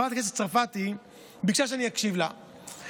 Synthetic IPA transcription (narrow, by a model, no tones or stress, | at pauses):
at̪akes̬eft͡saʁfat̪i | bikʃaʃ̬eanijakʃivla